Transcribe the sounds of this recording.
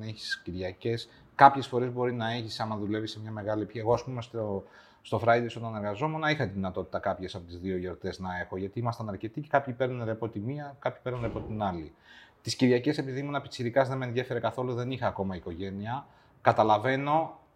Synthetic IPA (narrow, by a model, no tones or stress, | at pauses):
neçi̥sciɾʝɐce̞s | kɐpçe̞sfo̞ɾe̞zbo̞ɾinɐeçisɐnɐðule̞visemɲɐme̞ɣɐlipçieɣo̞ɐspumeso | st̪o̞fɾɐjd̪esonɐneɾɣɐzo̞me̞nɐixɐt̪iðinɐt̪o̞t̪i̥t̪ɐkɐpçe̞sɐpo̞t̪izðio̞jo̞ɾt̪e̞znɐe̞xo̞ʝɐt̪iimɐst̪ɐnɐɾce̞t̪ice̥kɐpçipe̞ɾnɐnɾepo̞t̪imiɐkɐpçi̥peɾnɐnɾepo̞t̪inɐlit̪isciɾʝɐce̞se̞piðimunɐpit̪isiɾikɐzðemenðje̞fe̞ɾe̞kɐθo̞luðe̞nixɐːko̞mɐiko̞ʝe̞niɐ | kɐt̪ɐlɐve̞no̞